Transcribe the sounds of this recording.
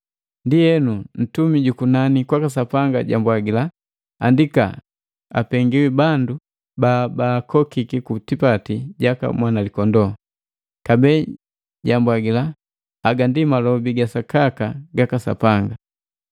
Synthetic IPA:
ndijɛnun̩tumiɟukunanikwakasapaŋɡa̰ɟa̰mbwaɡila | a̰ndika̰ | a̰pɛŋɡiwibandu | babaːkʰɔkikikutipatiɟaka̰mwanalikɔndɔ | kabɛ | ɟambwaɡila | aɡandimalɔbiɡasakakaɡakasa̰paŋɡa

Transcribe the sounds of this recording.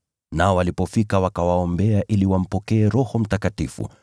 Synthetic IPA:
naɔwalipɔfikawakawaɔmbɛaʔiliwam̩pɔkɛːɾɔhɔm̩takatifṵ

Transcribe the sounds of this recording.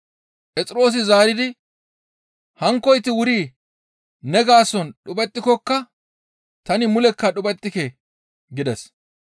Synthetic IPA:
pʼɛt͡sʼɪɾo̞ːs̬ɪzaːɾɪd̪ɪ | hɐŋkːɔjt̪ɪwʊɾiː | nɛɡaːsɔnɗʊbɛt̪ʼːɪkɔkːɐ | t̪ɐnɪmʊlɛkːɐɗʊbɛt̪ːɪkɛ | ɡɪd̪ɛs

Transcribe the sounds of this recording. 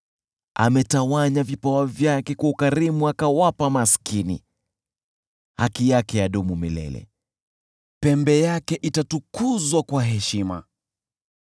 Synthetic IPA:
a̰mɛtawaɲavipawavjakɛkwaukaɾimuakawapamaskinḭ | hakijakɛjaɗɔmumilɛ̰lɛ̰ | pɛmbɛjakɛʔitatukuzwakwaɦɛʃima̰

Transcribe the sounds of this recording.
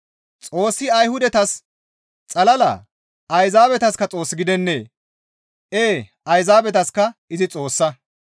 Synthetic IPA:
t͡sʼo̞ːsːɪɐjhʊd̪ɛt̪ɐs | t͡sʼɐlɐlɐ̰ː | ʔɐjzaːbɛt̪ɐskɐt͡sʼo̞ːsːɪɡɪd̪ɛnːeː | ʔeːʔɐjzaːbɛt̪ɐskɐɪzɪt͡sʼo̞ːsːɐ

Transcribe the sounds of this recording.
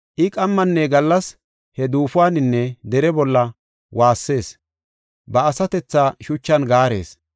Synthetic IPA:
ʔɪkʼɐmːɐnːɛɡɐlːɐs | hɛd̪uːfʊwaːnɪnːɛd̪ɛɾɛbɔlːɐ | waːsːe̞ːs | bɐːsɐt̪ɛt͡sːaːʃʊt͡ʃːɐnɡaːɾe̞̰ːs

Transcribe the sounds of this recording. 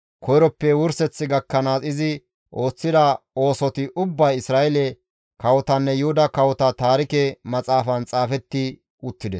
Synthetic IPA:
kʰɔjɾɔpːɛwʊɾsɛt͡sːɪɡɐkːɐnaːsɪzɪ | ʔo̞ːt͡sːɪd̪ɐo̞ːsɔt̪ɪʔʊbːɐjɪsɾaːʔɛlɛ | kɐwɔt̪ɐnːɛjʊhʊd̪ɐkɐwɔt̪ɐt̪aːɾɪkɛmɐt͡sʼaːfɐnt͡sʼaːfɛt̪ːɪ | ʊt̪ːɪd̪ɛs

